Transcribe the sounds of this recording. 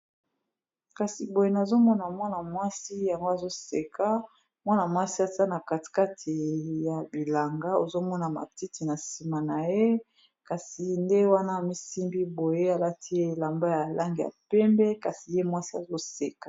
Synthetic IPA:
ka˨si˨bo˨je˨na˨zo˦mɔ˦na˨mwa˦na˨mwa˦si˦ja˨ŋɡo˦a˨zo˦se˨kʰa˦ | mwa˦na˨mwa˦si˦a˨ta˦na˨ka˨ti̥˨ka˦tʰi˨ja˨bi˨la˨ŋɡa˦o˨zo˦mɔ˦na˨ma̰˨ti˦ti˨na˨si˨ma˨na˨je˦ | ka˨si˨nde˦wa˦na˦˨mi˦si˦mbi˦bo˨je˦a˨la˦ti˦e˦e˨la˨mba˦ja˨la˦ŋɡi˨ja̰˨pɛ˦mbɛ˦ka˨si˨je˦mwa˦si˦a˨zo˦se˨kḁ˦˨

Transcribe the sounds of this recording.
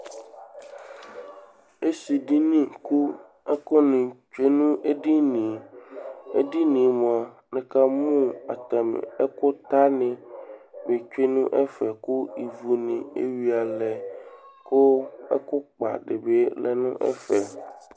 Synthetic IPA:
e˦si˨ɖi˦nĩ˦ku˦ | ɛ˦kɔ˦nĩ˨t͡ʃe˦nũ˦ʔe˦ɖi˦nĩ˨ | ḛ˦di˦nĩ˨mõ˨a˨nẽ˨ka˦mũ˦a̰˨t̪a˨m̰˨ɛ˦ko˦t̪a˦nɪ̃˨be˨t͡ʃᶣe˦nũ˦ʔɛ˦fɛ˨ku˦i˨vu˨nĩ˨ḛ˦wi˨˦a˨lɛ˨ko˦ɛ̰˦kʊ˦k͡pa̰˨ɖe˨be˦lɛ̰˨nũ˦ʔɛ̰˦fɛ˨

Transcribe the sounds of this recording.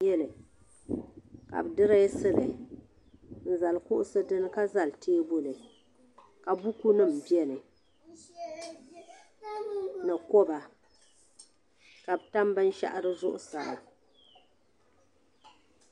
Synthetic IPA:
jɛ˦lɨ˨ | ka̰˨bɨ˨dɨ˦ɾa˦sɨ˦lɨ̰˨ | n̩˨za˨lkʊ˦ʔʊ˦sɨ˦dɨ˦nɨ˦ka˦za˨ltʰeː˦bo˦lɨ˨ | ka˨bu˦ku˦nɨ˦˨m̩˨bi˦ɛ˦nɨ˨ | nɨ˨kɔ˦ba˨ | ka˨bɨ˨ta˦mbɨ˦n˦ʃa̰˦ʔa˦ɾɨ˦zʊ˦ʔʊ̰˦sa˨a̰˨

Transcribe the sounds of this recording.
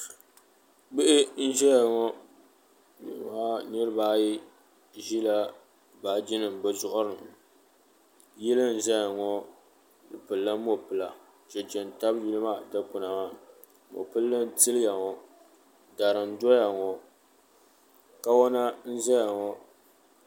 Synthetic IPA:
ɡ͡bɪ˦ʔɪ˦n̩˦ʒɛ˦ja˨ŋɔ˦ | nɨ̰˨ma˦nɨ˦ɾɨ˦baː˦ji˦ | ʒi˦la˦ | baː˨d͡ʒi˦nɨ˨m˨bɛ˦zʊ˦ʔʊ˦ɾɨ˨m | jɛ˦lɨ˦n̩˦za˦ja˨ŋɔ˦ | dɨ˨pɨ˨lːɨ˦mo˦pɨ˨la˨ | t͡ʃɛ˨t͡ʃɛ˨n˨ta˦bji˦lɨ˦maː˦˨dɨ˦k͡pʊ˨na˨maː˦ | mo̰˨pɨ˦lːɨ˦n˦tɨ˦lɨ˦ja˨ŋɔ˨ | da˨ɾɨ˨n˦dɔ˦ja˨ŋɔ˨ | ka˦wɔ˦na˦n̩˦zɛ˦ja˨ŋɔ˦

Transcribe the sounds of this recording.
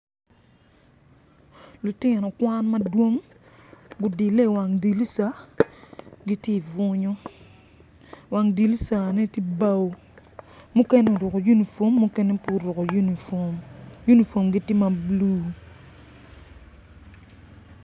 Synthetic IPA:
lu˨tɪ˦nɔ˨kwa˦nmɐa˦dwo˦ŋ | ɡʊ˨di˨lːe˦˨wa˨ŋdi˨li˦sa˦ | ɡi˦tji˦i˨vʊ˦ɲo˦ | wa˨ŋdi˨li˦sa˨ne˦ti˦ba˦wo˨ | mu˦kɛ˦ne˦o˨ɾʊ˨ko˨ju˦ni˨fo˨˦mːʊ˦kɛ˦nɛ˦pu˦ɾʊ˨ko˨jn˨ | ju˦ni˨fo˨mɡi˦tɪ˦ma˨bluː˦

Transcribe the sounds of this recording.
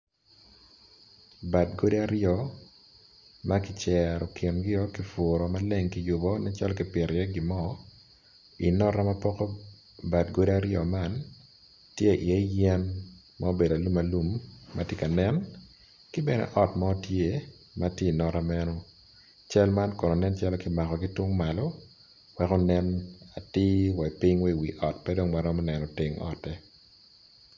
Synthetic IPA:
ba˨tɡo˦de˦a˦ɾɪɔ˨ | ma˦kɪ˨t͡ʃɛ˨ɾɔ˨kʰɪ˨nɡɪ˦ɔ˦ki˨fʊɾɔ˨ma˦le˦ŋki˦jʊ˨bɔ˦nɛ˦t͡ʃɔ˦lki˨pɪ˨ɾjɛ˦ɡɪ˨mɔ˦ | i˨nɔ˦ɾa˦ma˦pɔ˦kɔ˦ | ba˨tɡo˦de˦a˦ɾɪɔ˨ma˦˨n | tje˦˨ʔɪ˨ɛ˦jɛ˦n | mao˦be˨da˨lu˦ma˨lu˦mːa̰˨tje˦ka˨nɛ˦n | kɪ˦bɛ˨nɛ̰˨ʔɔ˦tma˦ɔ˦tje˦ | matje˦i˨nɔ˦ɾa˦mɛ˦nɔ˦ | t͡ʃɛ˦lma˦nkɔ˨no˨nɛ˦nt͡ʃa˦lɔ˦kɪ˨ma˨kɔ˨ɡi˦twʊ˦ŋma˨lɔ˦ | wɛkɔ˦nɛ˦na˨tɪ˦wɛ˨pɪ˦ɲwɛ˦˨wi˨ʔɔ˨tpɛ˦do˦ŋma˨ɾɔ˦mɔ˦nɛ˨nɔ˨tɪ˨ŋɔ̰˨tɛ˦

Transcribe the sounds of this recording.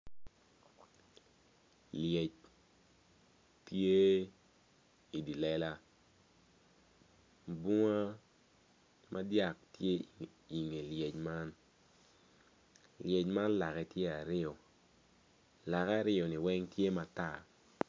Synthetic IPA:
lje˨t͡ʃ | tje˦ | i˨di˨lɛ˦la˦ | bu˦ŋa˦ | mʔa˦dja˨k̚tje˦ | i˨ŋe˨lje˨t͡ʃma˦n | lje˨t͡ʃma˦nla˨kɛ˦tje˦a˨ɾɪ˦ɔ˨ | la˨kaː˦˨ɾɪ˦ɔ˨nɪ˨wɛ˦ŋtje˦ma˨ta˦˨

